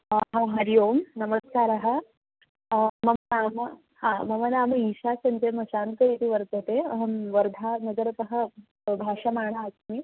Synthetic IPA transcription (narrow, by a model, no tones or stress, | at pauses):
ɦaɦɐɾijoːmnɐməskaːɾɐɦɐ̆ | mɐmɐnaːmɐ | hãmɐmɐnaːmɐiɕasɐnt͡semɐʃaːnkɐɾit̪iʋɐɾt̪ɐt̪eɐɦʋɐɾd̪ʱanɐɡɐɾɐpɐɦɐ | bʱaːʂamaːɳ̃aːtmi